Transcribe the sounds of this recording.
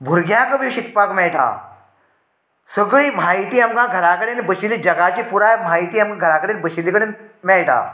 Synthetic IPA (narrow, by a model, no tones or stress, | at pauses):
bʱʊɾɡjãːkəbiʃikpaːkmẽːʈa̰ː | səɡɭimaːit̪iɐmɡãːɡʱɐɾaːkɐɽenbət͡ʃilid͡ʒɐɡaːt͡ʃipuɾaːmaːit̪iɐmkãɡʱɐɾaːkəɽenbət͡ʃʰilikəɽemeːʈʰa̰ː